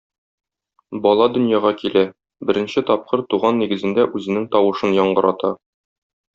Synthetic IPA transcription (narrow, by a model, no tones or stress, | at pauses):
bɒlˠɑd̪ɵ̆njɑʁɑkilæ | bɘ̆ɾɘ̆nɕɘt̪ɒp̚qɤɾt̪uʁɑnːiɡɘ̆zɘ̆nd̪æʔʉzɘ̆nɘŋt̪ɒwɤ̆ʃɤnjɒɴɢɤ̆ɾɑt̪ɑ